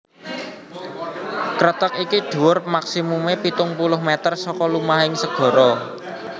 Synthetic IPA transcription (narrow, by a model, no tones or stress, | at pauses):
kɾət̪əkikiɖ̥ṳwʊrmaksimumepit̪ʊŋpulʊhmɛt̪ərsɔkɔlumaɦɪŋsəɡ̥ɔ̤ɾɔ